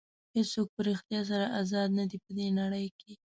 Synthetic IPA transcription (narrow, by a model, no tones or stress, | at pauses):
hesok̚pəɾixt̪jɑs̬aɾaʔazɑd̪̚nad̪ipəd̪enaɽəjkʰe